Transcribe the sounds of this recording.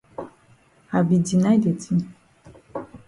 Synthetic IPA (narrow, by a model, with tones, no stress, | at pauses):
a˨bi˨di˨na˦jde˨ti˦n˨